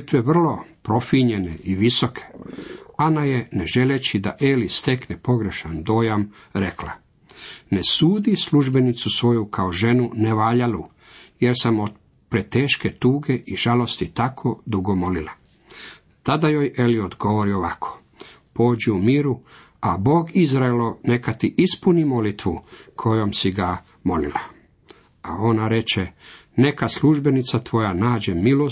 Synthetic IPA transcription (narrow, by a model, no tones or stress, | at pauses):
t̪ʋeʋr̩lo̞pɾo̞fiɲe̞ne̞iʋiso̞kʰe̥anaje̞neʒe̞let͡ɕid̪aʔe̞list̪e̞knepo̞ɡɾe̞ʃand̪o̞ːjam | ɾe̞kla | nesuːd̪isluʒbe̞nit̪susʋo̞jukʰaoʒe̞nuneʋaːʎalu | je̞ɾsamod̪ | pɾet̪eːʃke̞t̪uːɡe̞ʔiʒ̥alo̞st̪it̪akʰod̪uɡo̞mo̞lila | t̪ad̪ajoje̞liod̪ɡo̞ʋoɾioʋakʰo̥ | po̞ːd͡ʑiumiːɾu | abo̞ːɡizɾaelone̞kat̪iʔispunimo̞lit̪ʋṵkʰo̞jomsiɡa | mo̞lḭla | ao̞naɾe̞t͡ɕe | ne̞kasluʒbe̞nit̪sat̪ʋo̞janaːd͡ʑe̞milo